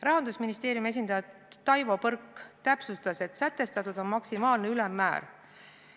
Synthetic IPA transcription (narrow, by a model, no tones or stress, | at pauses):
rɑɦɑnd̪usminist̪e̞ːɾjume̞s̬ʲind̪ɑjɑ | ɑjvo̞pɤrkːt̪æpsust̪ɑse̞t̪sæt̪ːe̞st̪ɑt̪ːˑud̪o̞nmɑksimɑːlneylɛmːæ̰ːɾ